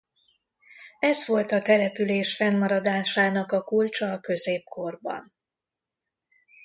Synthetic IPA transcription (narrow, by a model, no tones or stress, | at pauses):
ɛzʋo̞lt̪ɒt̪ɛlɛpyleːʃfɛnːɒɾɒd̪aːʃaːnɒkɒkult͡ʃɒːkø̞zeːpko̞rbɒ̰n